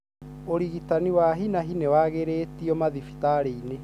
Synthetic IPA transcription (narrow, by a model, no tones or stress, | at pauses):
oɾiɣitaniwaɦinaɦinewaɣeɾetiɔmaðifi̥taɾeine